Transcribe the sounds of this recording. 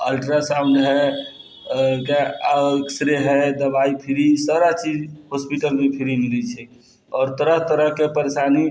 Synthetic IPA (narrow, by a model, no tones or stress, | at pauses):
əlʈɾasamnɦɛ | keaeksɾeɦɛd̪əbaipʰiɾisaɾat͡ʃid͡ʒɦospiʈəlmepʰiɾimilɛt͡ʃʰɛ | ɔːɾt̪əɾəɦt̪əɾəɦkepəɾesani